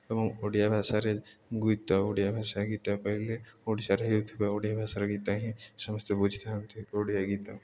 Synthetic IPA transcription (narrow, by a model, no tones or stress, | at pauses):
ɐmɐmoːɽijabʱaːsaɾeɡut̪aoːɽijabʱaːʃaɡiːt̪apɐɦleoːɽisaɾejud̪ʱpeoːɽijabʱaːsaɾeɡiːt̪aɦĩsɐməst̪ebud͡ʒʱit̪ant̪ʰioːɽijaɡit̪a